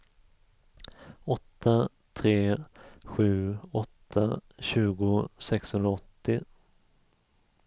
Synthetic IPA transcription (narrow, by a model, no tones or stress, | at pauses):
ɔt̪ʰːa | t̪ʰɾeːɧʉ̟ːɔt̪ʰːaɕʉ̟ːɡʊsɛkshɵnɾaɔt̪ːɪ